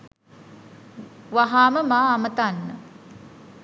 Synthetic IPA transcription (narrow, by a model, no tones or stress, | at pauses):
ʋaɦaːməmaːmət̪anːə